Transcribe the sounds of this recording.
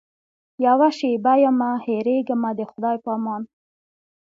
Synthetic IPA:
jawaʃebajamaheɾeɡəmad̪əxʊd̪ɑjpɑːmɑn

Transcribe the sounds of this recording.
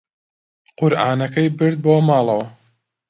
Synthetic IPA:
qʊɾʔaːnɐkɐjbɨɾd̪̚boːmɑːlˠɐwɐ

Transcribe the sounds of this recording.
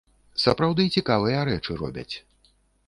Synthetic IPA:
sɐpɾawd̪ɨːt͡sʲikavɨjɐɾɛt͡ʂɨrɔ̰bʲɐ̰t͡sʲ

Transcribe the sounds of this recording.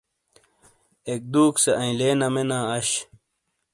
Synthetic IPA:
ek̚d̪uːkseɐ̃ĩleːnɐmenaːɐɕ

